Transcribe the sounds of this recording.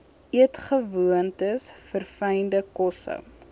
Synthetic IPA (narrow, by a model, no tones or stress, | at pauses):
ʔiətχəvuəntəsfərfɛjndəkɔsə̰ŋ